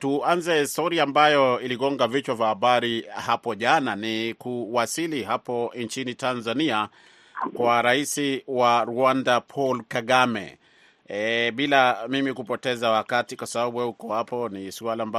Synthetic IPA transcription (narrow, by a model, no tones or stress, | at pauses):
tuanzɛistɔuɾiaːmbajɔiliɡɔŋɡavit͡ʃwavahaɓaɾihapɔʄananikuwasiliɦapɔɲt͡ʃinitanzania | kwaɾaisiwaɾuandapʰɔlkaɠamɛ̰ | ɓilamimikupɔtɛzawakatikwasaɓaɓuwɛhukɔhapɔnisualaːmba